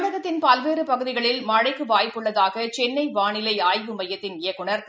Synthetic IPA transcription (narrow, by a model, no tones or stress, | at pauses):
ɽɐɣɐt̪ːɪnpɐlʋeːɾɯpɐɣɯðɪɣɐɭɪlmɐɻɐɪkːɯʋaːjpːɯɭːɐðaːɣɐt͡ʃɛnːɐɪʋaːɳɪlɐɪaːjʋɯmɐjːɐt̪ːɪnɪjɐkːɯɳɐɾ